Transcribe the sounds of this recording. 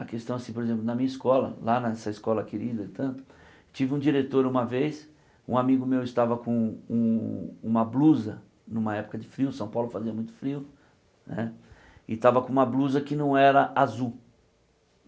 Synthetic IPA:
ɐkest̪ɐ̃w̃asĩpoɾezẽplʊnɐmĩɲɐiskɔlɐ̰lanɐɛsɐɪskɔlɐkeɾid̪ɐit̪ɐ̃nt̪ʊ̥ | t͡ʃivɪũd͡ʒiɾet̪oɾũmɐvejs | ṵ̃amiɡʊmewɪst̪avɐkõũũmɐbluzɐ | nũmɐɛpʊ̥kɐd͡ʒɪfɾiʊsɐ̃w̃pawlʊfaziɐmũj̃t̪ʊ̥fɾiʊ | nɛ | ɪt̪avɐkõũmɐbluzɐkɪnɐ̃w̃ɛɾɐʔazu

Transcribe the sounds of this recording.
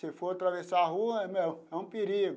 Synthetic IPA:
sefoɾt̪ɾavesaːɦuɐɛmeɛũpeɾiɡʊ

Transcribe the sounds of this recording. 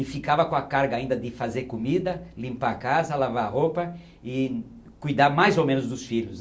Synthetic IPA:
ɪfikavɐkõɐkaɾɡɐaĩnd̪ɐd̪ɪfazeɾkomid̪ɐlĩmpaɾakazɐlavaɾɐɦopɐ | ɪ | kujd̪aɾmajzowmẽnʊzd̪ʊsfiʎʊs

